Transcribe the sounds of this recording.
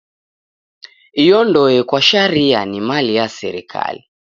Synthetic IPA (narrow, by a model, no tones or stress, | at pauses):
ijɔndɔɛkwaʃaɾianimalijasɛ̰ɾḭkʰa̰li